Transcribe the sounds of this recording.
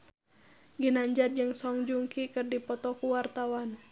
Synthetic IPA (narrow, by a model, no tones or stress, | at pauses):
ɡinaɲd͡ʒat̪̚d͡ʒɨŋsɔŋd͡ʒuŋkikɨrdipɔt̪ɔkuwart̪awan